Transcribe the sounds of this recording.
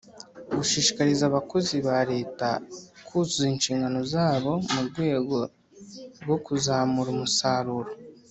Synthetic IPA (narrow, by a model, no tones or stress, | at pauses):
ɡuʃiːʃi̥kaɾizaβako̞ziβaɾe̞ːtakʰuzuzinʃiːŋɡano̞zaːβo̞muɾɡwe̞ːɡo̞ | ɾɡo̞kuzaːmuɾumusaɾuɾo